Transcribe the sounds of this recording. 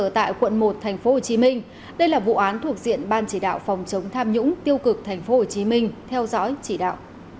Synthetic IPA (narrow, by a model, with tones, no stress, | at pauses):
əː˧˩t̪a̰ː˧˨jkwə̰˧˨nmo˨˩t̚t̪ʰɛ˨˩jŋ̟fo˨˦ho˨˩t͡ɕi˨˦mï˧ŋ̟ | ɗə˧jlaː˨˩vṵ˧˨ʔaː˨˦nt̪ʰu˨˩ək̚zḭ˧˨ənɓaː˧nt͡ɕi˧˩ɗa̰ː˧˨wfɑ˨˦wŋ͡mt͡ɕə˨˦wŋ͡mt̪ʰaː˧mɲʊ̰˧˥ŋ͡mt̪i˧əwkɨ˨˩k̚t̪ʰa˨˩jŋ̟fo˨˦ho˨˩t͡ɕi˨˦mï˧ŋ̟t̪ʰɛ˧wzɔ̰˧˥jt͡ɕi˧˩ɗa̰ː˧˨wʔ